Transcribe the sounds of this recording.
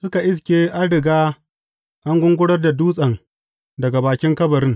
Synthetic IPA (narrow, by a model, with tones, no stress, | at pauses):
sʊ˦ka˨ʔɪ˦s̬kʲeː˦ʔa˦ɽɪ˨ɡaː˦ | ʔa˦ŋɡʷʊ˦ŋɡʷʊ˦ɽɐ˦rda˨duː˦sʼɐ˨ŋ | dɐ˨ɡa˨baː˨kʲɪ˦ŋkɐ˦bɐ˨ɾɪ˦ŋ